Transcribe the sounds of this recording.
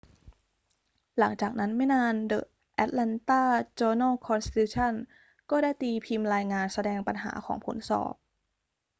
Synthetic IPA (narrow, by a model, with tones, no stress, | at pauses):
la˩˦ŋt͡ɕaː˨˩k̚na˦˥nmɛ˥˩naː˧ndɤ̰˨˩ʔ | ʔɛ˦˥t̪̚lɛ˧nt̪aː˥˩t͡ɕɤː˧naː˥˩kʰɔ˧nsi˧t̪ʰuː˧˥t͡ɕʰa˥˩n | kɔː˥˩daː˥˩jt̪iː˧pʰi˧mɾaː˧jŋaː˧nsa˧dɛː˧ŋpa˧nɦa̰ː˩˦kʰɔː˩˦ŋpʰo̰˨˩˦nsɔ̰ː˨˩p̚